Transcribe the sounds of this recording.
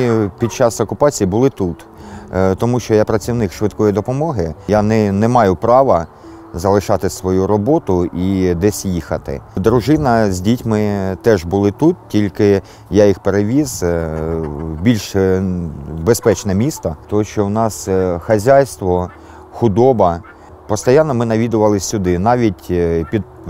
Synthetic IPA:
pʲid̪̚t͡ʃɑsɔkʊpɑt͡sʲijibʊlˠɪt̪ut̪ | t̪ɔmuʃt͡ʃɔjapɾɐt͡sʲiwnɪkʃʋɪt̪̚kɔjid̪ɔpɔmɔɦɪjanɛnɛmɑjʊpɾɑʋɐ | zɐlˠɪʃɑt̪ɪsʋɔjuɾɔbɔt̪ʊʔid̪ɛsʲjixɐt̪ɪ̰d̪ɾʊʒɪnɐzʲdʲitʲmɪt̪ɛʒbʊlˠɪt̪ut̪̚tʲilʲkɪ | jajixpeɾeʋʲiz̥ | bʲilʲʃ | bespɛt͡ʃnɛmʲist̪ɐt̪ɔɦɔʃt͡ʃɔwnɑsxɐzʲajst̪ʋɔ | xʊd̪ɔbɐ | pɔst̪ɐjɑnːɔmɪnɐʋʲid̪ʊʋɐlˠɪsʲːʊd̪ɪnɑʋʲitʲpʲid̪̚

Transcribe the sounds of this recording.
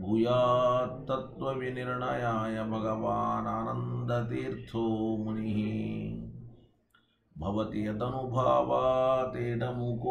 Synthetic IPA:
bʱujaːt̪ɐt̪ʋɐʋiniɾɳɐjaːjɐbʱɐɡɐʋaːnaːnɐnd̪ɐt̪iːɾt̪ʰoːmuniɦi | bʱɐʋɐt̪ijɐt̪ɐnubʱaːʋaːt̪eːʈɐmukː

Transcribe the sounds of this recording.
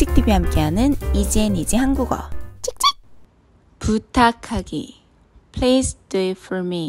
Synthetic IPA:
t͡ɕ͈ik̚tʰibiɦamk͈e̞ɦanɯnid͡ʑienid͡ʑiɦanɡuɡʌ̰t͡ɕʰik̚t͡ɕ͈ik̚ | putʰakʰaɡḭ | pʰlesduefʰɔɾmi

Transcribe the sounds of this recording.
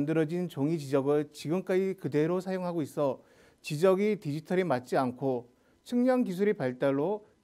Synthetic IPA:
ndɯɾʌd͡ʑint͡ɕoŋit͡ɕid͡ʑʌɡɯɭt͡ɕiɡɯmk͈ad͡ʑikɯde̞ɾosʰajoŋɦaɡois͈ʰʌ | t͡ɕid͡ʑʌɡitid͡ʑitʰʌɾimat̚t͡ɕ͈iankʰo | t͡ɕʰɯŋɲʌŋkis̬ʰuɾipaɭt͈aɭːo

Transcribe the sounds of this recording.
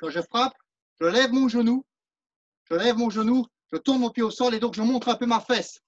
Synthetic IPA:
kɑ̃ʒəfχap̚ | ʒ̥əlɛvmɔ̃ʒənu | ʒ̥əlɛvmɔ̃ʒənu | ʒ̥ət̪uʁnmɔ̃pjeosɔ̃led̪ɔ̃kʒəmɔ̃t̪χɛ̃pømafɛs

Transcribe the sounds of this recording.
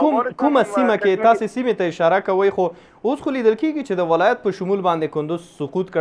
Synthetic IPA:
mkumasimaket̪ɑsesimet̪aɪʃɑɾakawəjxo | osxolid̪əlkeɡit͡ʃed̪əwɪlɑjat̪̚pəʃʊmulbɑnd̪ekʊnd̪ʊzsʊqut̪k

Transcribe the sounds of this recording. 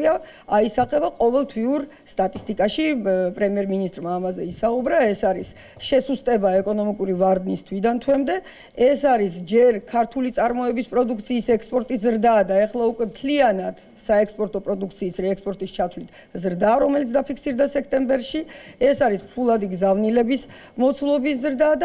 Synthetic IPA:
a | aisaχʼɛbaqʼɔvɛlˠt̪ʰwiuɾ | st̪ʼat̪ʼist̪ʼikʼaʃipʼɾɛmiɛɾminist̪ʼɾmaːmazɛisaubɾaɛsaɾis | ʃɛsust̪ʼɛbaɛkʼɔnɔmikʼuɾivaɾd̪nist̪ʰwid̪ant̪ʰwɛmd̪ɛ | ɛsaɾisd͡ʒɛɾkʰaɾt̪ʰulit̪sʼaɾmɔɛbispʼɾɔd̪uk̚ʰt̪sʰiːsɛkspʼɔɾt̪ʼis̬zɾd̪ad̪aɛχlˠaukʼwɛmt̪ʰlianad̪̥ | saɛkspʼɔɾt̪ʼɔpʼɾɔd̪uk̚ʰt̪sʰiːsɾɛːkspʼɔɾt̪ʼist͡ʃʰat̪ʰwlit̪ʰ | zɾd̪aɾɔmɛlit̪̬ʰd̪apʰikʰsiɾd̪asɛkʰt̪ʼɛmbɛɾʃiɛsaɾispʰulˠad̪iɡzavnilɛbis | mɔt̪sʰlˠɔbis̬zɾd̪ad̪

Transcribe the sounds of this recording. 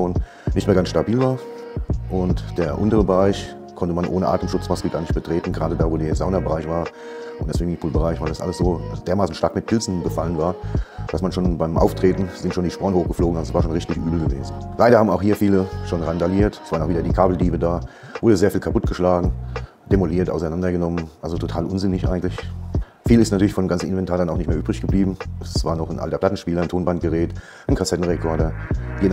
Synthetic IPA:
oːn | nɪçtmeːɐɡansʃtabiːlvaːɐ | ʔʊntd̥eːɐʔʊntəʁ̞əbəʁaɪç | kʰɔntəmanʔo̰ːnəʔa̰ːtəmʃʊt͡smaskl̩ɡaːɐnɪçt̚b̥ətʁ̥eːtn̩ɡəʁaːdədaːvoːdeːɐzaʊnɐbəʁaɪçv̥aːɐ | ʔʊndɛɐspɪmɪŋpʰuːlbəʁaɪçvaɪldasʔa̰ləsz̥oːd̥eːɐmaːsn̩ʃtaɐkmɪt̚pʰɪlzn̩ɡəfalənvaːɐd̥asmanʃoːnbaɪmʔa̰ʊftʁ̥eːtn̩z̥ɪntʃoːndiːʃpɔɐnəhoːxɡ̥ə̥floːɡŋ̩alzosv̥aːɐʃoːnʁɪçtɪçʔyːbl̩ɡəvḛːzn̩laɪɾɐhaːbm̩aʊxhiːɐfiːləʃoːnʁandaliːɐtsvaːɐnʔʊxviːdɐdiːkʰaːbl̩diːbədaː | vʊɐdəzeːɐfiːlkʰapʊtɡ̥əʃlaːɡŋ̩ | d̥emoliːɐtʔa̰ʊsaɪnandɐɡənɔmənʔalzotʰotʰaːlʔʊnzɪnɪçʔa̰ɪɡŋ̩tlɪç | fiːlɪstnatyːɐlɪçfɔndemɡant͡ssn̩ɪnvɛntʰaːɐdanaʊxnɪçtmeːɐʔyːbʁɪçɡ̥əbliːbm̩ʔɛsv̥aːɐnɔχnʔa̰ltɐpl̥atn̩ʃpiːlɐntʰoːnbant̚ɡ̥əʁɛːt | ʔaɪnkʰasɛtn̩ʁekʰɔɐɾɐɡen

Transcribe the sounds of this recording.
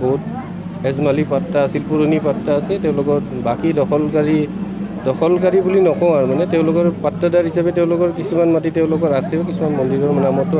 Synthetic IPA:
bɔɦut̚ | hɛzmalipatːaːsilpuɹonipatːaːsɛtɛʊ̃lʊkɔɹbakidɔxɔlkaɹidɔxɔlk̬aɹibulinɔkɔʊ̃aɹmanɛtɛʊ̃lʊkɔɹpatːadaɹɦisabɛtɛʊ̃lʊkɔɹkisumanmatiteʊ̃lʊkɔɹasɛʊkisumanmɔndiɹɔɹmnamɔtʊ

